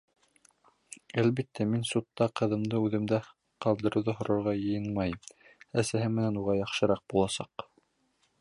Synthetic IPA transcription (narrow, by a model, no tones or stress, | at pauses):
ælβit̪ːæminsut̪ːɑqɤ̆ðɤ̆md̪ɤʉðɘ̆md̪æ | qɑlˠd̪ɤ̆ɾɤwðɑɦŏɾɤ̆ɾʁɑjɤ̆jɤnmɑj | æsæɦɘmːɘ̆nænuʁɑjɑχʃɤ̆ɾɑq̚bulˠɑsɑ̰q